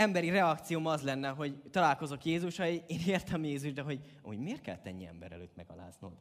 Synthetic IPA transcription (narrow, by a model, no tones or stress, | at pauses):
ɛmbɛɾiɾɛɒkt̪sijoːmɒzlɛnːɛɦo̞ɟt̪ɒlaːlko̞zo̞kjeːzuʃɒieːneːrt̪ʰɛmjeːzuʒd̪ɛɦo̞ɟ | ɒ̰muɟmeːrt̪̚kɛ̰lt̪ːɛ̰nːiɛ̰mbɛ̰ɾɛ̰lø̰ːt̪mɛɡɒ̰la̰ːzno̰ːd̪